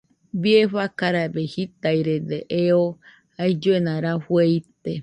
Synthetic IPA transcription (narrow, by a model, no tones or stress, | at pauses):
bieɸakaɾabehit̪ajɾed̪eʔeo | ajd͡ʒoenãɾaɸwejt̪e